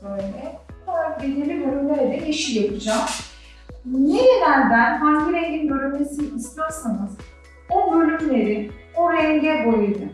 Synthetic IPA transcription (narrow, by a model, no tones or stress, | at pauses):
bøjlʲɛolˠaɾakbenelʲibølʲymlʲeɾɛd̪ɛiʃijapʰɯd͡ʒam | jenid̪ænb̪ænɦaŋɡiɾɛɲɟinbølʲymlesinist̪asanɯz | obølʲymlʲe̞ɾioɾɛɲɟɛbo̞jud̪ɯ